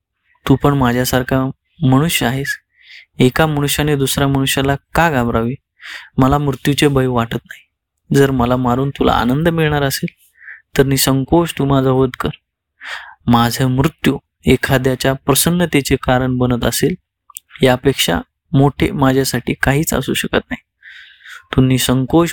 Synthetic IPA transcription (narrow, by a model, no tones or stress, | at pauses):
t̪uːpəɳmad͡ʑʱjasaɾkʰa | məɽ̃uɕjəaɦes | ekaməɽ̃uɕjaned̪usɾjaməɽ̃uɕjalakaɡabɾaʋi | məlamɾut̪jut͡ɕebʱəjʋaʈət̪naɦi | d͡zəɾməlamaɾuːnt̪ula̰a̰nənd̪əmilɳ̃aɾəseːl | t̪əɾniːsəŋkoʂt̪umad͡zʱaɦod̪kəɾ | mad͡zʱamɾut̪ju | ekʰad̪jat͡ɕjapɾəsənːət̪et͡sekaɾəɳbənət̪əseːl | ɦjapekʂa̰ | moʈʰḛmad͡ʑʱjasaʈʰiːkaɦiːt͡sa̰sṵːɕəkət̪̚naɦi | t̪unːiːsəŋkoʂ